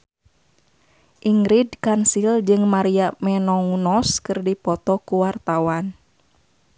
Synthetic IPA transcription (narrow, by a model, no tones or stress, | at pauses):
ʔiŋɾidkansild͡ʒɨŋmaɾiamɛnɔŋunɔskɨrdipɔt̪ɔkuwart̪awan